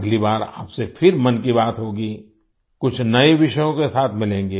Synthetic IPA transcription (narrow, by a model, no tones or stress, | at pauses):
ɡlibaːɾa̰ːpsefʰɪɾmɐnkibaːt̪ɦoːɡi | kʊt͡ʃʰnɐeʋɪʃəjõkesaːt̪ʰmɪlẽːŋɡeː